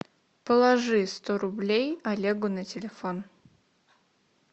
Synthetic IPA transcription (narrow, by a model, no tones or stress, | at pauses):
pəlˠɐʐɨst̪oɾʊblʲejɐlʲeɡʊnətʲɪlʲɪfon